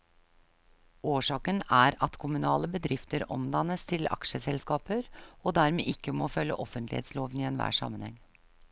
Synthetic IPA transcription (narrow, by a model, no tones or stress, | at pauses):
oːʂɑːkənæɾɑt̪kʰʊmʉnɑːləbəd̪ɾɪft̪əɾɔ̰md̪ɑnːəst̪ʰɪlɑ̰kʂəsɛlskɑːpəɾoːd̪æɾmḛːʔɪkːəmoːfœlːə̰ʔɔfənt̪lɪ̰hḛːt̪sloːʋniːɛnʋæ̰ːʂɑ̰mənhɛŋː